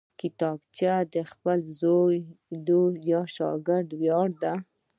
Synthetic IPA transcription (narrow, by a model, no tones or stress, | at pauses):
kɪt̪ɑbt͡ʃad̪əxpəlzojlojɑʃɑ̰ɡɪɾd̪wjɑɽd̪a